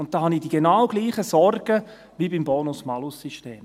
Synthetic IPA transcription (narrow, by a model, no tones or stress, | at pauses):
ʊnt̚d̥ɑːhɑnidiɡ̥enawɡ̥liːχəsɔɾɡ̥ə | ʋibimboːnʊsmɑlʊsːyʃteːm